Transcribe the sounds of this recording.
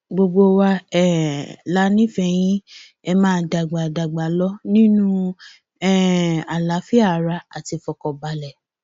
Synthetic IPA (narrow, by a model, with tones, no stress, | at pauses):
ɡ͡bo˧ɡ͡bo˧wa˧ɛ˦˨la˨˦nĩ˦fɛ˧j̃ĩ˦ | ɛ˧mãː˦da˨ɡ͡ba˨da˨ɡ͡ba˨lɔ˦nĩ˦nũ˦ | ɛ˦˨a˨la˨˦fi˦a˦˨ɾa˧˦a˨ti˧fɔ˨kɔ˨ba˨lɛ˨